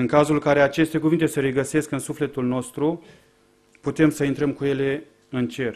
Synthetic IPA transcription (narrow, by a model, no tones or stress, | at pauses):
ɨŋkazulkaɾe̞at͡ʃe̞st̪e̞kuvint̪e̞səɾe̞ɡəse̞skɨnsufle̞t̪ulno̞st̪ɾu | put̪e̞msəint̪ɾəmkuje̞le̞ | ɨnt͡ʃe̞r